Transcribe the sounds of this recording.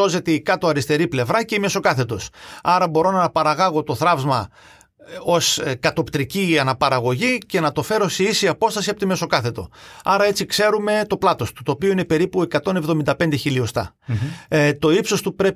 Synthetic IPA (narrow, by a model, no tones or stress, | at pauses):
o̞ze̞t̪ikɐt̪o̞ɐɾist̪e̞ɾiple̞vɾɐceime̞so̞kɐθe̞t̪o̞sɐɾɐbo̞ɾo̞nɐnɐpɐɾɐɣɐɣo̞t̪o̞θɾɐvzmɐ | o̞skɐt̪o̞pt̪ɾiciɐnɐpɐɾɐɣo̞ʝice̞nɐt̪o̞fe̞ɾo̞seisiɐpo̞st̪ɐsiɐpot̪ime̞so̞kɐθe̞t̪o̞̰ɐɾɐe̞t͡sikse̞ɾume̞t̪o̞plɐt̪o̞st̪u̥t̪o̞ːpioine̞pe̞ɾipue̞kɐt̪o̞ne̞vðo̞mind̪ɐpe̞nd̪e̞çilio̞st̪ɐ̰ | t̪o̞ipso̞st̪upɾe̞